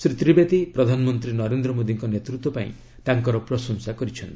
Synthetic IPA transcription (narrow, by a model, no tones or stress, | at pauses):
sɾit̪ɾibet̪ipɾɔd̪ʱanɔmɔnt̪ɾinɔɾend̪ɾɔmod̪iŋkɔnet̪ɾut̪wɔpaḭ̃ | t̪aŋkɔɾɔpɾɔsɔŋsakɔɾit͡ʃʰɔnt̪i